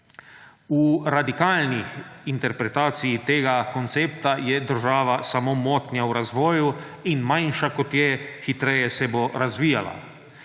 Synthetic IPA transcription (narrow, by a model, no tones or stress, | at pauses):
uɾad̪ikaːlnixint̪ɛɾpɾɛt̪aːt̪sijit̪eːɡakont̪seːpt̪ajɛd̪əɾʒaːʋasamomoːt̪njauɾazʋɔːjuinmajnʃakot̪jɛxit̪ɾɛːjɛsɛboɾazʋiːjala̰